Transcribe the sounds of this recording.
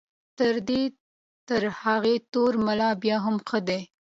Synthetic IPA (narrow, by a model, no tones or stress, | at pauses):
t̪əɾd̪e | t̪əɾhaɣet̪oɾmalɑbjɑɦamxəd̪e